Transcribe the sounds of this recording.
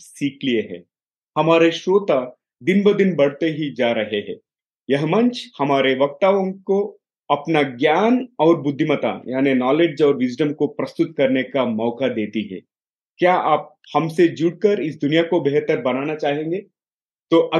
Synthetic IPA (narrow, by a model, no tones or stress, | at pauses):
siːklieɦɛ̰̃ː | hɐmaːɾeʃoːt̪a | d̪ɪnbəd̪ɪnbɐɽ̤t̪eɦid͡ʒaːɾɐɦeɦɛ̰̃ː | jɐɦmɐ̃ɲt͡ʃhɐmaːɾeʋɐk̚t̪aːʋõko | ɐpnaɡjaːnɔːɾbʊd̪ʱːɪmət̪a̰jaːninɔːleːd͡ʒɔːɾʋɪd͡ʒɖəmkopɾɐst̪ʊt̪kɐɾnekamɔːkad̪eːt̪iɦɛ̰ː | kjaːʔaːp̚ | hɐmsed͡ʒʊɽ̚kəɾɪs̬d̪ʊnijakobeɦt̪əɾbɐnaːnat͡ʃaːɦẽːŋɡeː | t̪oːʔɐ